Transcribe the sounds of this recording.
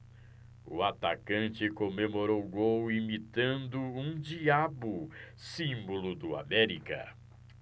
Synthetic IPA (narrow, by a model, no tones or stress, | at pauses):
ʊat̪akɐ̃nt͡ʃɪkomemoɾowɡowimit̪ɐ̃nd̪ʊũd͡ʒiabʊ | sĩmbolʊd̪ʊa̰mɛɾikɐ̰